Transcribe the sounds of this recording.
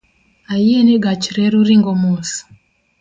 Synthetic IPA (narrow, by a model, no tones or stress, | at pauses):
ajieniɡat͡ʃiɾɛɾuɾiŋɡɔmosi̥